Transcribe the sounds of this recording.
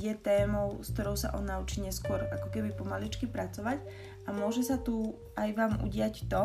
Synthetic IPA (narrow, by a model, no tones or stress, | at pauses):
jɛt̪ɛːmɔʊskt̪ɔɾɔʊsa̰ʔɔnaut͡ʃiːɲɛskʊɔɾakɔkɛbipɔmalit͡ʃkipɾat͡sɔʋac | amʊɔʒɛsat̪u | ajʋaːmṵɟɪact̪ɔ